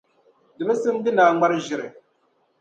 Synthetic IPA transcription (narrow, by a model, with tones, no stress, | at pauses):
dɨ˨bɛ˦sɨ˦m˦dɪ˦laː˨ŋ͡ma˦ɾʒɪ˨ɾɨ˨